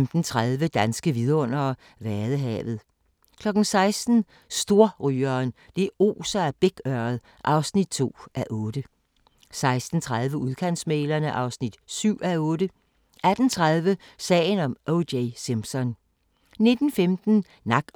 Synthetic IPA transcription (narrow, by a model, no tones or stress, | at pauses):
md̥n̩t͡sʰʁað̞ˠʋəd̥ænsɡ̥əʋið̞ˠɔ̽n̰ɐ | ʋæɐðˠəɦɛ̰ːʋð̞̩ˠ | kʰlɒ̽ɡ̥n̩sɑ̈ɪsd̥n̩ | sd̥o̝ɐ̰ʁyːɐːn | d̥e̝o̝̰ːsɐæb̥eɡ̥ɶɐð̞̩ˠ | ʔɑ̈ʊsnid̥̚t͡sʰo̝̰ːʔæʔɔ̽ːd̥ə | sɑ̈ɪsd̥n̩t͡sʰʁaðˠʋəuðˠkʰæn̰smeːlɐnəʔɑ̈ʊsnid̥syʊ̰æɔ̽ːɾə | ʔæd̥n̩t͡sʰʁaðˠʋəsɛ̰ːɪnɒ̽mʔoʊdeɪsimsɒn | ne̝d̥n̩femd̥n̩ | nɑ̈ɡ̥